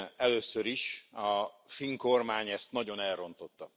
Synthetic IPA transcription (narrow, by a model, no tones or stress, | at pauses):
ɛløːsøɾiʃɒfiŋko̞rmaːɲɛst̪nɒɟo̞nɛlro̞nt̪o̞t̪ːɒ